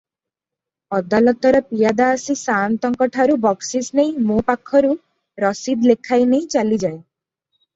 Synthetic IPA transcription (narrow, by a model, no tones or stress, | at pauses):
ɔd̪alɔt̪ɔɾɔpijad̪aːsisant̪ɔŋkɔʈʰaɾubɔksisneĩmopakʰːɔɾu | ɾɔsid̪lekʰajneĩt͡ʃalid͡ʒae